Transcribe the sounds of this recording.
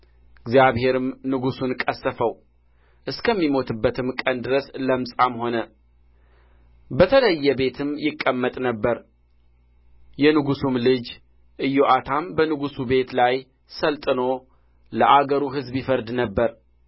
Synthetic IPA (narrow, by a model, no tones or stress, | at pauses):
ɪɡzijaβhe̞ɾɨmnɨɡusunkʼəsːəfəw | ʔɨskʰəmːimo̞t̪ʰɨbːət̪ʰɨmkʼənd̪ɨɾəsləmsʼamho̞nə | bət̪ʰələjːɛbe̞t̪ʰɨmjɪkʼːəmːət̪ʼnəbːəɾ | jɛnɨɡusumlɨd͡ʒ | ʔɨjːoʔat̪ʰambənɨɡusube̞t̪laj | səlt̪ʼɨno̞ | ləʔaɡəɾuɦɨzbjifəɾd̪nəbːəɾ